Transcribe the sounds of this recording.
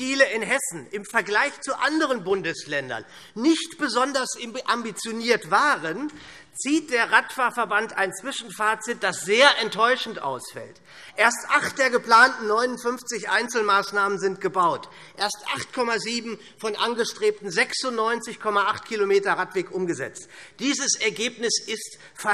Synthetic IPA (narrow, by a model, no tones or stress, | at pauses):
d̥iːləɪnɦɛsn̩ʔɪmfɛɐɡlaɪçt͡suʔandəʁənbʊndəslɛndɐ̰nː | ɪçtb̥əzɔndɐsʔambit͡sjoniːɐtv̥aːʁən | t͡siːt̚d̥eːɐʁatfaːɐfɛɐbantaɪnt͡sv̥ɪʃn̩faːɐt͡sɪt̚d̥asz̥eːɐʔɛntʰːɔʏʃn̩tʔa̰ʊsfɛ̰lt | ʔeːɐstʔaχt̚d̥eːɐɡəpl̥aːntn̩nɔʏnʊntfʏnft͡sɪçʔa̰ɪnt͡sl̩maːsnaːmənzɪnt̚ɡ̥əbaʊt | ʔeːɐstʔa̰χtkʰɔmaziːbm̩ | fɔnʔanɡəʃtʁ̥eːp̚tn̩zɛksʊntnɔʏnt͡sɪçkʰɔmaʔaχt̚kʰilomeːtɐʁatv̥eːkʔʊmɡəzɛ̰t͡std̥iːzəsɛɐɡeːpnɪsɪst | fɐ